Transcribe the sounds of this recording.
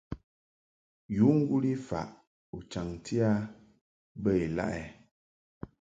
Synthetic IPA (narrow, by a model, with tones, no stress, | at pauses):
ju˨˦ŋ̩˦ɡu˦li˦fa̰˨ʔ | u˨t͡ʃa˨ŋtʰi˦a˦ | bə˦e˨la̰˦˨ʔɛ˨